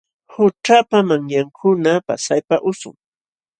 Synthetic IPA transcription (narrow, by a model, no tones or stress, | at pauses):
hʊʈ͡ʂapamaŋjaŋkʰʊnapa̰sajpaʔʊsʊ̰ŋ